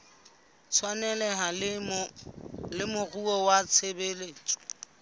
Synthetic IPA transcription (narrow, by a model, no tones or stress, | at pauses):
t͡sʰwanɛlɛɦal | lɪmʊɣuɔwat͡sʰebeleːt͡ʃʼɔ̥